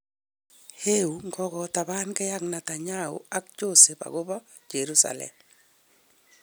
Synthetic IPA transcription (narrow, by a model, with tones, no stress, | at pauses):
he˦u˨ŋɡɔ˦ɣɔ˨ta˨ba˦nkɛ˦ja˦kna˨ta˨ɲa˦ṵ˦a˦k̚t͡ʃo˦se˨pa̰˨ɡo˦bɔ˦ | d͡ʒe˨ɾu˦sa̰˨lɛ̰m